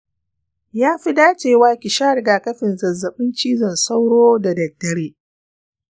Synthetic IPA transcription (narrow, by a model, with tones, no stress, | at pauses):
jaː˦ɸi˦daː˦t͡ʃeː˨waː˦kʲɪ˨ʃaː˦ɾɡaː˨kɐ˦ɸɪ˨nzɐ˨zːɐ˨ɓɪ˦nt͡ʃiː˦zɐ˨nsa˦wɽoː˦da˨dɐ˨tːɐ˨ɽeː˦